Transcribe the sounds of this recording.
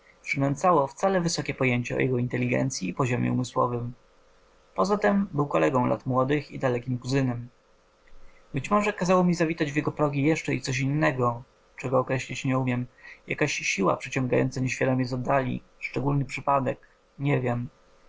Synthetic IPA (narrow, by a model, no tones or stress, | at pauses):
pʂɘnɛnt̪sawɔft̪salɛvɘsɔkʲɛpɔjeɲt͡ɕɛɔ̰jɛɡɔint̪ɛlʲiɡɛ̰nt̪sʲjiːpɔʑɔmʲɛ̰umɘswɔ̰vɘm | pɔzat̪ɛmbɘwkɔlɛɡɔ̃w̃lʔa̰t̪mwɔd̪ɘxḭd̪alɛkʲimkuzɘnɛm | bɘt͡ɕmɔʐɛkazawɔmʲizavʲit̪ad͡ʑvʲjɛɡɔpɾɔɡʲijɛʂt͡ʂɛḭt̪sɔɕ̬inːɛɡɔ | t͡ʂɛɡɔːkɾɛɕlʲit͡ɕɲɛumʲjɛmja̰kaɕɕiwa̰pʂɘt͡ɕɔ̃ŋɡajɔ̰nt̪saɲeɕfʲjad̪ɔmʲɛzɔd̪ːalʲḭ | ʂt͡ʂɛɡulnɘpʂɘpad̪ɛk | ɲɛvʲjɛm